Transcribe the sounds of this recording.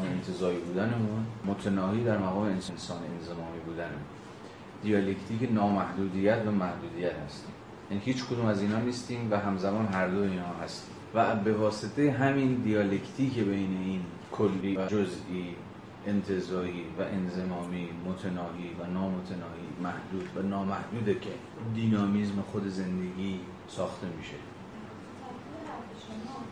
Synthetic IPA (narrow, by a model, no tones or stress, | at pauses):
meent̪ʰezɒːiːbuːd̪ænemunmot̪ʰenɒːhiːd̪æɾmæɣɒːmeensensɒːnenzemɒːmiːbuːd̪ænemun | d̪ijɒle̞ct̪ʰiːkenɒːmæhd̪uːd̪ijæt̪ʰvæmæhd̪uːd̪iːjæt̪hæst̪ḭːm | jæniːhiːt͡ʃkʰod̪uːmæziːnɒːniːst̪iːmvæɦæmzæmɒːnɦæɾd̪oiːnhɒːɦæst̪i̥ː | væbe̞vɒːse̞t̪ʰe̞jeɦæmind̪ijɒːlekʰt̪ʰiːkebejne̞iːn | kʰolːiːvæd͡ʒozʔiː | ent̪ʰe̞zɒːɾiːvæʔe̞nze̞mɒːmiːmot̪ʰenɒːʔiːvænɒːmot̪ʰenɒːʔiːmæhd̪̥uːd̪vænɒːmæhd̪uːd̪ecʰe̞ | d̪iːnɒːmizmexo̞d̪e̞ze̞nd̪e̞ɡiː | sɒːxt̪e̞miʃe̞